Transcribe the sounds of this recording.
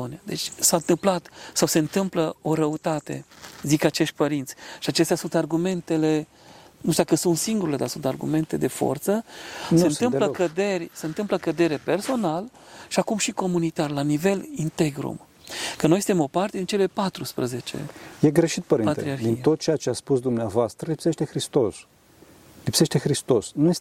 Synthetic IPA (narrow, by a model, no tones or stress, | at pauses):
oniad̪e̞̰t͡ʃʲsant̪ɨmplat̪sawse̞ɨnt̪ɨmpləo̞ɾəut̪at̪e̞̰zikat͡ʃe̞ʃt̪̚ʲpəɾint̪sʲʃiat͡ʃe̞st̪ʲasunt̪arɡume̞nt̪e̞le̞ | nuʃt̪ud̪akəsunt̪siŋɡuɾile̞d̪arsunt̪arɡṵme̞nt̪e̞d̪e̞fo̞̰rt̪sənseɨnɨmləkəd̪e̞rʲse̞ɨnt̪ɨmpləkəd̪e̞ɾe̞pe̞rso̞nalʃiakumʃiko̞munit̪arlanive̞lint̪eɡɾṵm | kəno̞jsɨ̥nt̪emo̞part̪ed̪int͡ʃe̞le̞pat̪ɾuspɾəze̞t͡ʃe̞̰je̞ɡɾe̞ʃit̪̚pəɾipat̪ɾiaɾxd̪int̪o̞t̪̚t͡ʃejat͡ʃeat̪spusd̪umneavoast̪ɾəlipseʃt̪e̞xɾist̪os | lipseʃt̪e̞xɾist̪o̞snujes